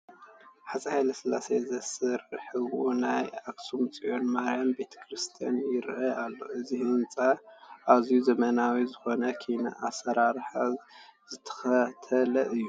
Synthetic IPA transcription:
ħasʼɐhajlɐsɨlːasezɐsɨɾɨħɨwʔunajaksumɨt͡sʼiʔo̞nmaɾjambe̞t̪ʰɐ̥kɾɨst̪ʰija̰njɪɾʔaalːo̞̰ʔɨzihɨnt͡sʼaʔazijuzɐmɐnawizɨxo̞nɐkʰina̰ʔasɐɾaɾħazɨt̪ʰɐ̥xɐt̪ʰɐlɐʔɨjːu

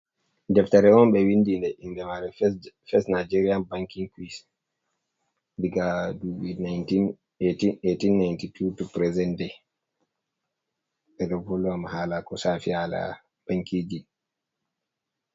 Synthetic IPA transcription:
dɛftaɾɛɔnɓɛwindindɛʔindɛmaɾɛfɛsnad͡ʒeɾianbaŋkiŋkwis | diɡaduɓinajtin | etietinːajntitʰutupɾɛzɛndɛ | ɓɛdɔvɔlɔamahalakɔsafiala̰ | b̥aŋkʰiːd͡ʒi

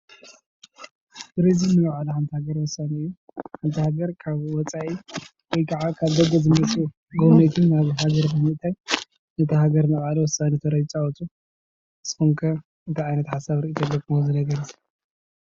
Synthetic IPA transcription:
ɡ̥ɾezinːɨwaʕaluħant̪ʰihaɡɐɾwɔsːaniɨjːu | ħant̪ʰihaɡɐɾkʰaβwɔt͡sʼaʔi | wɔjkʰaʕakʰaβd̪ɐɡozɨmɐsʼu | ɡomet̪ʰɨnːaβɦaɡɐɾkɐmiʔt̪ʰaj | nɐt̪ʰɐhaɡɐɾnɐχʼʕaliwɔsːanit̪ʰɐɾɐjt͡ʃʼawɔt̪ʰu | sɨ̥koŋkʰɐ | ɨt̪ʰiʕajnɐt̪ħasaβɾɨʔit̪ʰodɐkʼɨozɨnɐɡɐɾɐz

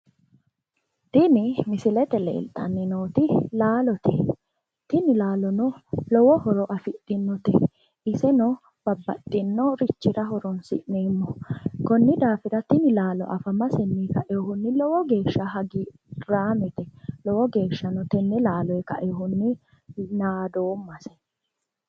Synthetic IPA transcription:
t̪ɪnɪmɪsɪlɛt̪ɛlḛːlt̪ʼːɐnːɪnoːt̪ɪlaːlɔt̪ɛ | t̪ɪnɪlaːlɔnɔlɔwɔhɔɾɔʔɐfɪtːɪnːɔt̪ɛ | ʔɪsɛnɔ | b̥ɐbːɐt̪ːɪnːɔɾɪt͡ʃːɪɾɐɦɔɾɔnsɪ̰ʔnɛmːɔkɔnːɪd̪aːfɪɾɐt̪ɪnɪlaːlɔ̰ʔɐfɐmɐsɛnːiːkɐʔɛɔhʊnːɪlɔwɔɡe̞ːʃːɐɦɐɡi | ɾaːmɛt̪ɛlɔwɔɡe̞ːʃːɐnɔt̪ɛnːɛlaːlɔjɛkɐ̰ʔɛɔhʊnːɪ | naːd̪oːmːɐsɛ̥

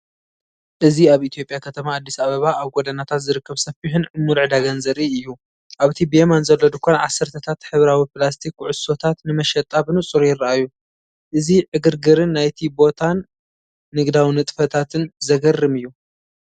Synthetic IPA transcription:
ʔɨziaβit̪ijo̞pʼjakʰɐt̪ʰɐmaːd̪ːisaβɐβaʔaβɡod̪ɐnat̪ʰat̪zɨɾɨkːɐβsɐfiħɨnʔɨmːulʕɨd̪aɡɐnzɐɾiɨjːu | ʔaβɨt̪ʰibemanzɐlːod̪ɨkʰonʕasːɐɾt̪ʰɐt̪ʰat̪ħɨβɾawiplast̪ʰikuʕʊsːo̞t̪ʰat̪nɨmɐʃɐt̪ʼaβɨnut͡sʼuɾjɪɾɐʔajːu | ʔɨziʕɨɡɨɾɡɨɾɨnːajt̪ʰibo̞t̪ʰanː | ɨɡd̪awinɨt̪ʼfɐt̪ʰat̪ʰɨnzɐɡɐrːɨmɨjːu

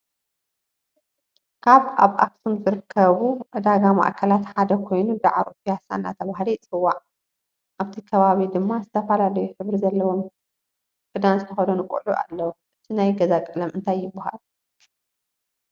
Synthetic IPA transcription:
kʰaβaβʔa̰fsumzɨɾɨkʰːɐβuʔɨd̪aɡama̰ʔkʰɐlat̪ħad̪ɐkʰo̞jnud̪aʕaɾokijasa̰nːa̰t̪ʰɐβaɦlit͡sʼɨwːaʕ | ʔaβt̪ʰikʰɐβaβid̪ɨmːazɨt̪ʰɐfɐlalɐjuħɨβɾizɐlːɐwo̞m | kʼɨd̪anzɨt̪ʰɐxɐd̪onɨkʼṵʕuʔa̰lːɐwuʔɨt̪ʰinajɡɐzakʼɨlɐmʔɨnt̪ʰajːɪbːaha̰lu

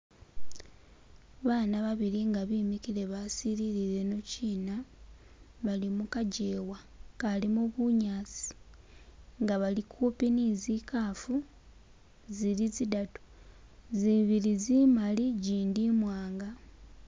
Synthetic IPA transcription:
βaːnaβaβiɾiŋɡaβimikile̞βasiɾiɾiɾe̞no̞ciːna | βalimukaɟeːwa | kalimuβuɲaːt͡si̥ | ŋɡaβalikʰupiniːzikaːfu | zilizidatu̥ | ziβiɾizimaliɟiːndimwaːŋɡa

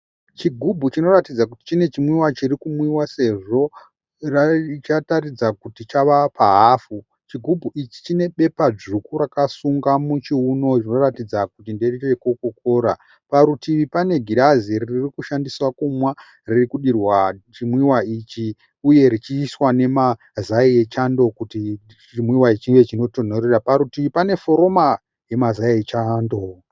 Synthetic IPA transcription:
t͡ʃiɡʱubʱut͡ʃino̞ratid͡zakuti̥t͡ʃine̞t͡ʃimwiwat͡ʃirikumwiwase̞ʐo̞ | rat͡ʃatarid͡zakutit͡ʃaʋapaɦafu | t͡ʃiɡʱubʱuʔit͡ʃi̥t͡ʃine̞ɓe̞pad͡ʐukuɾakasuŋɡamut͡ʃiuno̞t͡ʃino̞ratid͡zakutinderit͡ʃekokoko̞ːɾa̰ | paɾutiʋipane̞ɡʱiɗaziriririkuʃandiswakumwa | ririkuɗirwat͡ʃimwiwait͡ʃi | uje̞ɾit͡ʃiswane̞ma | zaie̞t͡ʃando̞kuti | t͡ʃimwiwait͡ʃiiŋet͡ʃino̞to̞noreɾapaɾutiʋipane̞fo̞ɾo̞ma | je̞mazaiet͡ʃando

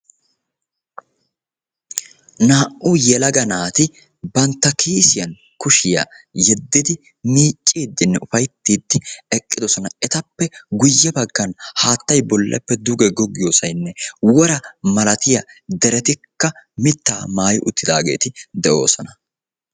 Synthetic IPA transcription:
naːʔʔʊjɛlɐɡɐnaːt̪ɪ | bɐnt̪ːɐkʰiːsɪjɐn | kʊʃɪjɐ̰ | jɛd̪ːɪd̪ɪ | miːt͡ʃʼːiːd̪ːɪnːɛʊfɐjt̪ːiːd̪ːɪɛkʼːɪd̪ɔsɔnɐɛt̪ɐpːɛɡʊjːɐbɐɡːɐnhaːt̪ːɐjbɔlːʔɛ̰pːɛd̪ʊɡɛɡɔɡɪjoːsɐjnːɛwɔɾɐmɐlɐt̪ɪjɐd̪ɛɾɛt̪ɪkːɐmɪt̪ːaːmaːjʔʊt̪ːɪd̪aːɡe̞̰ːt̪ɪd̪ɛʔo̞̰ːsɔnɐ

